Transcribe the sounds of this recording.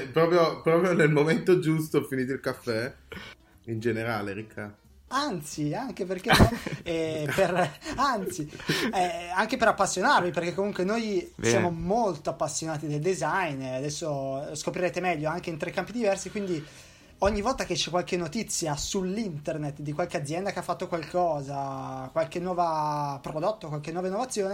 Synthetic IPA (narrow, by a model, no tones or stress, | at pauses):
pɾɔːpɾjopɾɔːpɾjonelmoment̪od͡ʒust̪ofiniːt̪̬oilkafːɛ | ind͡ʒeneɾaːleɾikʰːa | ant̪siaŋkeperkenːɔɛperant̪siɛaŋkepeɾapːasːjonarviperk̟ekːomuŋkwenojsjaːmomolt̪oapːasːjonaːt̪id̪eld̪ezajnad̪ɛsːoskopɾiɾeːt̪emɛʎːoaŋkeint̪ɾekːampid̪ivɛrsikwind̪i | oɲːivɔlt̪ak̟et͡ʃːɛkːwalkenːot̪it̪sːjasulːint̪ernet̪d̪ikwalkead̪zjɛnd̪akeafːat̪ːokwalkʰɔːzakwalk̟enːwɔːvapɾod̪ot̪ːokwalkenːwɔːvainːovat̪sːjoːne